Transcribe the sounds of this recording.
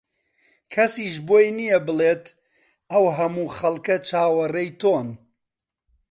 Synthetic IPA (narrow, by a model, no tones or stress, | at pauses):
kʰɐsiːʃboːjnijɐbɨleːt̪ | ɐwɦɐmuːχɐlˠkɐt͡ʃʰaːwɐrɐjt̪ʰoːn